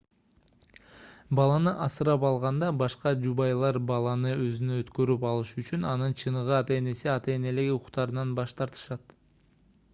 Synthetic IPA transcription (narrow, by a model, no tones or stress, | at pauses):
bɑlˠɑnɯʔɑsɯɾɑpɑlˠʁɑnd̪ɑbɑʃqɑd͡ʒubɑjlˠɑɾbɑlˠɑnɯøzynøøt̪kø̞ɾypɑlˠɯʃyt͡ʃynɑnɯnt͡ʃʰɯnɯʁɯɑt̪e̞ːne̞siɑt̪e̞ːne̞le̞ɡiuqu̥χt̪ɑɾɯnɑnbɑʃt̪ɑɾt̪ɯ̥ʃɑt̪